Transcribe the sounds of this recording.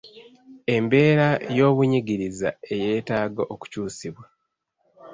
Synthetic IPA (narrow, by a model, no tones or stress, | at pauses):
e̞mbe̞ːɾajo̞ːβuɲiɡiɾiza̰e̞je̞ːtaːɡaʔoku̥cuːsiβwa